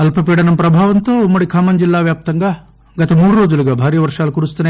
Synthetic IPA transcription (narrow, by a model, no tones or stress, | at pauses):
ɐlpɐpiːɽɐnɐmpɾɐbʱaːʋɐnt̪oumːɐɽikʰaːmɐnd͡ʒilːaːʋjaːp̚t̪ɐŋɡɐ | ɡɐt̪ɐmuːɽuɾoːd͡ʒuluɡɐbʱaːɾjɐʋɐɾʂaːlɐkuɾust̪ɐne